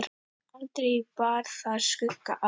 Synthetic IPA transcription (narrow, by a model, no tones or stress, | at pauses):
ɾ | alt̪ɾejpaːɾ̥θaðskʏkːaʔa